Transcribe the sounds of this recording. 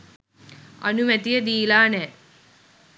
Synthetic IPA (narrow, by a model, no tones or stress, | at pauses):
a̰numæt̪ijəd̪iːlaːnɛː